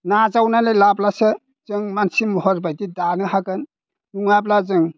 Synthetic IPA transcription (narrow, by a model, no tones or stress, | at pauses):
nazawnalelablasɯ | zɯŋmansimɔhɔɾbajdidanɯhakɯn | uŋablazɯŋ